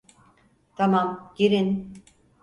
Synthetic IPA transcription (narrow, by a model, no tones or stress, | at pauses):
t̪ʰamamɟiɾin